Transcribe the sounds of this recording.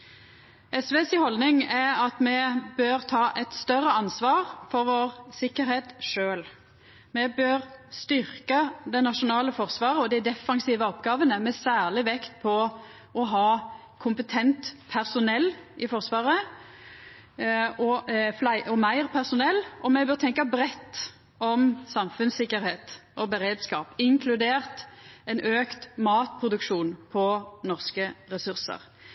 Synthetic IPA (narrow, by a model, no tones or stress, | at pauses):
ʔɛsʋeːsɪhɔld̪nɪŋæɑt̪mɛbøːɾt̪ʰɑːʔɛt̪st̪œʁːəɑnsʋɑːʁfɔɾʋoːʁsɪkːəɾheːt̪ʂøːl | mɛbøːʁst̪ʏʁkəd̪ɛɪnɑʂʊnɑːləfɔʁsʋɑːʁəɔd̪ɪd̪ɛfːɑŋsiːʋəɔpɡɑːʋənəmɛsæːʁɭɪʋɛkt̪̚pʰɔ | ɔɦɑː | kʰʊmpət̪ʰɛnt̪pʰæʁsʊnɛlːɪfɔʁsʋɑːʁə | ɔflæɪʔɔmæɪʁpʰæʁsʊnɛlːɔmɛbøʁt̪ʰɛŋkɑbɾɛt̪ː | ɔmsɑmfʉnsɪkːəɾheːt̪ʔɔbəʁeːd̪skɑːpɪŋkʰlʉd̪eːʁt̪ɛnʔøːkt̪mɑːt̪̚pʰʁʊd̪ʉkʃuːnpʰɔnɔʁskəɾɛsʉʁsə̰ʁ